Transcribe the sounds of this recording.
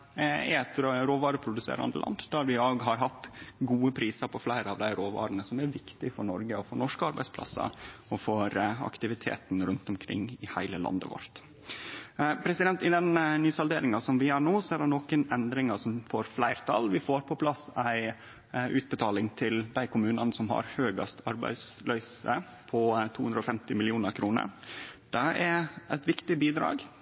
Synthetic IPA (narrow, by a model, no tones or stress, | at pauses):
ɛɛt̪ɾɾoːʋɑːɾəpʰɾʊd̪ʉsḛːɾɑ̰nd̪ə̰lɑ̰nd̪d̪æɾʋɪoːɡɦɑɾɦɑt̪ːɡuːəpʰɾiːsəɾpʰɔflæɪɾəɑʋd̪æɪɾoːʋɑ̰ːɾənəsɔmæɾʋɪkt̪ɪfɔɾɳɔɾɡəɔfoːnɔʂkəɑɾbæɪspʰlɑ̰sə̰ɾɔfɔɾɑ̰kt̪ɪʋɪt̪ʰḛːt̪n̩ɾʉnt̪ɔmkʰɾɪ̰ŋːɪhæɪləlɑ̰nd̪ə̰ʋɔ̰ɾt̪ | pʰɾɛsɪd̪ɛnt̪ɪd̪ɛnnyːsɑld̪eːɾɪŋɑsɔmʋɪjɑɳoːsɔæɖɛnoːkənɛnd̪ɾɪŋɑsɔmfoːɾflæɪɾt̪ʰɑlʋɪfoːɾpʰɔpʰlɑsæɪ | ʔʉːt̪̚bət̪ʰɑːlɪŋt̪ʰɪld̪æɪkʊmʉːnɑnsɔmhɑ̰ɾhøːɡɑ̰st̪ɑɾbæ̰ɪslœʏsə | pʰɔt̪ʰuːʉnd̪ɾɔfɛmt̪ɪmɪlɪuːnəɾkʰɾuːnə̰ɾd̪̥ɛæɾʔæɪt̪ʋɪkt̪ɪbiːd̪ɾɑ̰ːɡ